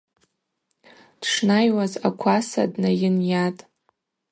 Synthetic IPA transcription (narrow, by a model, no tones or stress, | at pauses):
d̥ʂnajwaza̰kʷʰasa̰dnajɪnjatʼ